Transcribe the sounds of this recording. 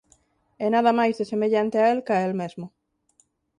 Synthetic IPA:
enaðɐmajzðesemeʎant̪eaelkaelmezmʊ

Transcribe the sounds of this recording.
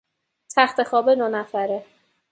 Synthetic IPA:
t̪ʰæxt̪ʰe̞xɒːbed̪onæfæɾe

